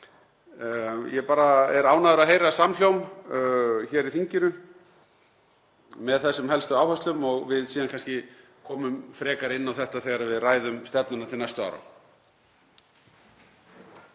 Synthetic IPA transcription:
jɛpaːɾaɛɾaːwnaðʏɾaðɦejɾasaml̥jowm | çɛɾiθiɲcɪnʏ | mɛðθɛsːʏmhɛlst̪ʏaːwhœst̪ʏmɔɣvɪðsiːðankʰanscɪ | kʰɔːmʏmfɾɛːkaɾɪnːawθɛht̪aθɛɣaɾavɪðraːjðʏmst̪ɛpnʏnat̪ʰɪlnajst̪ʏa̰wɾa̰

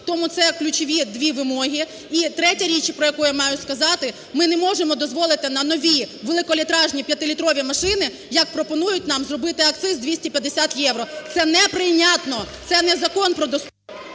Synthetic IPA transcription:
t̪ɔmut̪sɛklʲʊt͡ʃɔʋʲid̪ʋʲiʋɪmɔɦʲi | it̪ɾɛtʲɐɾʲit͡ʃpɾɔjɐkujamɑjʊskɐzɑt̪ɪ | mɪnɛmɔʒemɔd̪ɔzʋɔlˠɪt̪ɪnɐnɔʋʲiʋelˠɪkɔlʲit̪ɾɑʒnʲipʲjɐt̪ɪlʲit̪ɾɔʋʲimɐʃɪnɪ | jɐk̚pɾɔpɔnujʊtʲnɑmzrɔbɪt̪ɪɐk̚t̪sɪzd̪ʋʲisʲtʲipʲjɐd̪esʲat̪jɛʋɾɔt̪sɛnɛpɾɪnʲat̪nɔt̪sɛnɛzɐkɔnpɾɔd̪ɔs

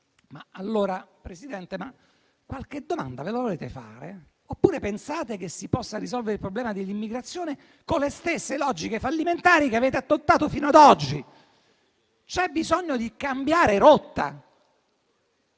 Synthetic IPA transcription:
maalːoːɾapɾesid̪ɛnt̪ema | kːwalked̪oma̰nd̪avelavoleːt̪efa̰ːɾḛ | opːuːɾepensaːt̪ek̟esːipɔsːaɾizɔlveɾilpɾoblɛːmad̪elːimːiɡɾat̪sːjoːne | kolːest̪esːelɔd͡ʒikefalːiment̪aːɾikeaveːt̪eat̪ːot̪ːaːt̪ofiːnoad̪ɔd͡ʒːi | t͡ʃɛbizoɲːod̪ikambjaːɾeɾot̪ːa̰

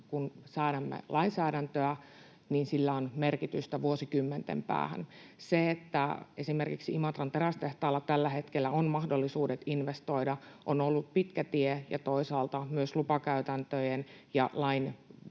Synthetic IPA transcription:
kunsɑːɾɑmːḛlɑinsæːɾænt̪øæ | niːnsilːæonmerkit̪yst̪æʋuosikymːent̪ḛmpæ̰ːhæ̰nseet̪ːæesimerkiksiimɑt̪rɑnt̪erɑst̪eht̪ɑːlːɑt̪ælːæhet̪kelːæonmɑhdolːisuːdet̪inʋest̪oidɑʔonolːut̪̚pit̪kæt̪iejɑ̰t̪oisɑːlt̪ɑmyøslupɑkæyt̪ænt̪øjenjɑlɑin

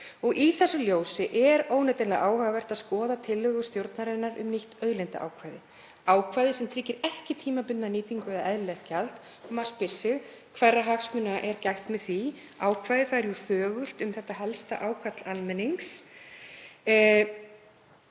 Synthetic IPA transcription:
ɔɣʔiθɛsːʏljoːwsɪʔɛɾoːwnɛjt̪ɪlɛɣaʔaːwhœɣavɛr̥t̪aðskɔːðat̪ʰɪlːœɣʏst̪jowɾt̪naɾɛnːaɾʏ̰mniht̪œːɥlɛjnt̪a̰ʔa̰ːwkʰvajðɪ | aːwkʰvajðɪsɛmt̪ʰɾɪcːɪɾɛhcɪt̪ʰiːmapʏnnaniːt̪iŋkʏvɛðʔɛðlɛxcalt̪ | ɔmaspɪ̥sːɪɣkʰvɛrːaɦaksmʏnaʔɛɾcajxt̪mɛðθi | aːwkʰvajðɪθaðɛɾjuθœːɣʏl̥t̪ʏmθɛht̪ːahɛlst̪a̰ʔaːwkʰvat̪lanmɛnːiŋks

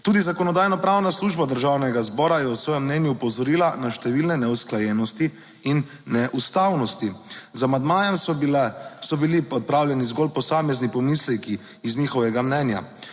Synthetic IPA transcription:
t̪uːd̪izakɔnɔd̪aːjnɔpɾawnasluːʒbad̪əɾʒawnɛɡazbɔːɾajɛwsʋɔːjɛmːnɛnjupɔzɔɾiːlanaʃt̪ɛʋilnɛnɛusklajɛnɔst̪i | inː | ɛʔust̪awnɔst̪izamand̪maːjɛm | sɔbilipɔt̪̚pɾawljɛnizɡolpɔsaːmɛznipɔmislɛkiː | znixɔʋɛɡamnɛnja̰

